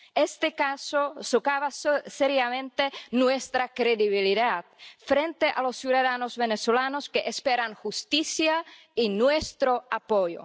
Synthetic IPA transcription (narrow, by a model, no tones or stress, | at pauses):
est̪ekasosokaβasseɾjamẽnt̪enwest̪ɾakɾeðiβiliðat̪fɾent̪eʔalosːjuðaðanozβenesolanoskeʔespeɾaŋxust̪isja | inwest̪ɾoapojo̰